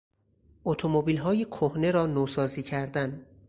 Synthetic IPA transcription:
ʔot̪ʰomobiːlɦɒːjekʰohne̞ɾɒːnoːsɒːziːcʰæɾd̪æn

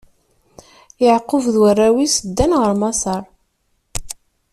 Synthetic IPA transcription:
jəʕqːʊvðwərːæwisəd̪ːænʁəɾmɑsɑɾˤ

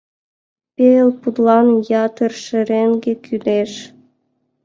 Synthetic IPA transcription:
pʲeelpud̪lɑnjɑt̪ə̆rʃɘ̆ɾeŋɡekʰyd̪eʃ

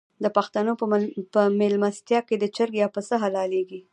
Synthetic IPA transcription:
d̪əpaxt̪anopəmelmast̪jɑked̪ət͡ʃəɾɡjɑpəsəɦalɑleɡi

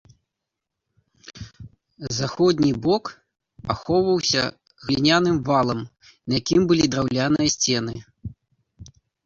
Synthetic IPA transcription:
zaxɔd̪ʲnʲibɔk | axɔwvɐwsʲɐ̰ | ɣlʲinʲanɨmvalˠɐm | nɐjakʲimbɨlʲid̪ɾawlʲanɨjɐsʲt͡sʲɛnɨ

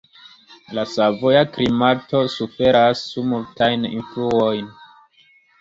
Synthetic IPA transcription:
lasavojaklimato̞sufe̞ɾasːumultajnḭnfluo̞jn

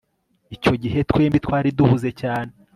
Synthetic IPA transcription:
ico̞ɟiɦe̞tkwe̞ːmbitkwaːɾiduhuze̞caːne

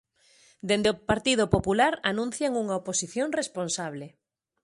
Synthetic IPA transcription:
d̪end̪eopaɾt̪ið̞opopulaɾanũn̟θjaŋuŋaoposiθjoŋresponsaβ̞le

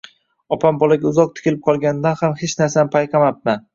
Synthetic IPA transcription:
ɒpʰambɒlaɡʲaʊzɒq̚t̪ʰɪ̥kʲɪlɪp̚qʰɒlˠɡʲand̪anhamhet͡ʃnaɾsanɪmpʰajqʰɑmap̚ma

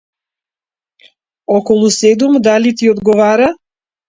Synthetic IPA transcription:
ɔkɔlˠusɛd̪umd̪alit̪iɔd̪ɡɔvaɾa

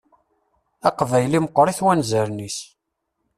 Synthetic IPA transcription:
ɑqvæjliməqːɾˤiθwænzəɾnis

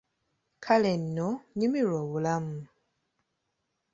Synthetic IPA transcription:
kʰalenːoɲimiɾoːβulamu

